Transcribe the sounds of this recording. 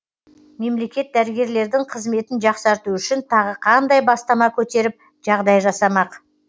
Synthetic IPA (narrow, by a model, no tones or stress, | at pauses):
me̞mle̞kʲe̞t̪̚d̪æɾɪɡʲe̞ɾle̞ɾd̪ɪŋqʰəzme̞t̪ɪnʒɑqsɑɾt̪uʏʃɪnt̪ʰɑʁəqʰɑnd̪ɑjbɑst̪ɑmɑkʲʰɵt̪e̞ɾɪp̚ | ʒ̥ɑʁd̪ɑjʒɑsɑmɑq